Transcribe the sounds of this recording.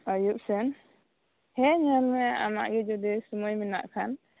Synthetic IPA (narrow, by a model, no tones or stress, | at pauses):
ajuʔ̚sɛn | hɛɲalmɛa̰ma̰ʔɡɛd͡ʒɔd̪ɛsumɔjmɛna̰ʔkʰan